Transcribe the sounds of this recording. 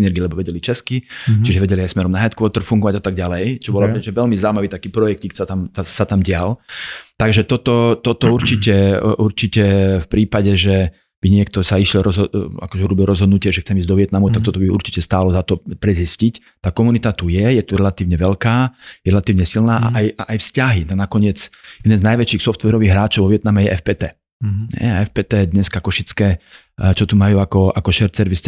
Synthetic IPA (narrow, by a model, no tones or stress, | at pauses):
nɛɾɡilɛbɔʋɛɟɛlit͡ʃɛskit͡ʃiʒɛʋɛɟɛliajsmɛɾɔmnaɦjat̪kʋɔt̪r̩fuŋɡɔʋaɟat̪aɡ̚ɟalɛjt͡ʃɔbɔlaɛʒɛʋɛlmizaumaʋiːt̪akiːpɾɔjɛkciksat̪amasat̪amɟɪalt̪aɡʒɛt̪ɔt̪ɔt̪ɔt̪ɔuɾt͡ʃicɛʔuɾt͡ʃicɛfpɾiːpaɟɛʒɛ | b̥iɲɪɛk̚t̪ɔsaiʃlɛlɾɔzɦɔa̰kɔʒɛuɾɔbilɾɔzɦɔd̪nucɪaʒɛxtt͡sɛmizɟd̪ɔʋɪɛt̪namut̪ak̚t̪ɔt̪ɔbiṵɾt͡ʃi̥cɛst̪aːlɔzat̪ɔpɾɛziscic | t̪aːkɔmunit̪at̪ujɛjɛt̪uɾɛlat̪iːʊɲɛʋɛʎkaːjɛɾɛlat̪iːʊɲɛsilnaːʔa̰ʔajaʔajfscaɦinanakɔɲɪɛt͡sjɛd̪ɛnznajʋɛt͡ʃiːxsɔft̪ʋɛɾɔʋiːɣɦɾaːt͡ʃɔʊʋɔʋɪɛt̪namɛjɛʔɛfpɛːt̪ɛː | ɦɛ̰jaɛfpɛːt̪ɛːd̪ɲɛskakɔʃit͡skɛː | t͡ʃɔt̪umajuːakɔʔakɔʃɛɾt͡sɛɾʋis